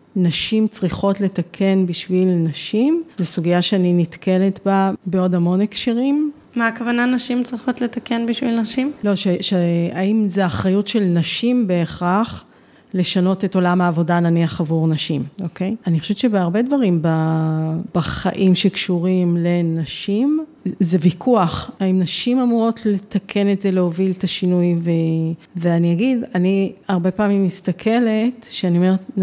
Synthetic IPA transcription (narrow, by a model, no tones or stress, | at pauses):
naʃimt͡sʁiχo̞tletakʰe̞nbiʃvilnaʃimzesuɡijaʃeaninitke̞le̞tbabeo̞dhamo̞nekʃiʁim | maːkavananaʃimt͡sʁiχo̞tle̞takenbiʃvilnaʃimlo̞ʃeʃeaimzeaχʁajutʃe̞lnaʃimbe̞ːχaχ | le̞ʃano̞te̞to̞lamaːvo̞dananiaχavuʁnaʃimo̞ke̞janiχoʃevett͡ʃebeaʁbe̞dvaʁimba | b̥aχa̰ʔimʃekʃuʁimle̞naʃimzevikʰuaχaimnaʃimamuʁo̞tle̞takʰe̞netze̞leo̞viltaʃinujveveaniaɡidaniaʁbe̞paːmimːistakʰe̞le̞tʃeanio̞me̞et